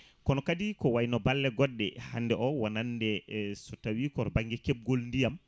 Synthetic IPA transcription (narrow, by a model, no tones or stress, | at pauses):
kɔnɔkadikɔwajnɔbalːɛɡɔɗːɛ̰hanːdɛʔɔwanandɛsɔtawikɔɾbaŋɡɛkɛb̚ɡolndijam